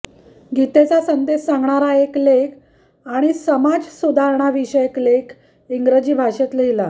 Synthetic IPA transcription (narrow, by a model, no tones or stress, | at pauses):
ɡit̪et͡sasənd̪esãŋɡɳaɾaeklek | aɽ̃isəmad͡zsud̪ʱaɾɳ̃aʋiɕəeklekʰ | iŋɡɾəd͡ʑiːbʱaʂet̪ləɦila